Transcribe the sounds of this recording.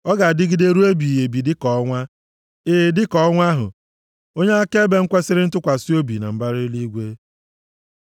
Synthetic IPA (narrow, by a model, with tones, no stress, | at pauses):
ɔ˦ɡa˨dɪ˦ɡi˦de˦ɾu˦e˦bi˨je˨bi˨dɪ˦kɔ˨ɔ˦ŋʷa˦ | eː˦˨dɪ˦kɔ˦ɔ˦ŋʷa˦ɦʊ̰˨ | o˦ɲe˦a˦ke˦be˦ŋ̩˦kʷa˦sɪ˦ɾɪ˦n̩˦tʊ˦kʷa˨si˦o˦bi˨na̰˨m̩˦ba˦ɾɪ˦li˦ɡʷe˦